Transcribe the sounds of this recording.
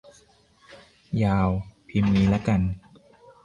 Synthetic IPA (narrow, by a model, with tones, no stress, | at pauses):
jaː˧wpʰi˧miː˧˩lɛ˦˥ka˧n